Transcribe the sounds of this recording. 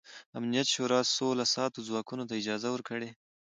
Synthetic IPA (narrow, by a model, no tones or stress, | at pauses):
amnijat̪ʃoɾɑsolasɑt̪ozwɑkunot̪aɪd͡ʒɑzawəɾkəɽe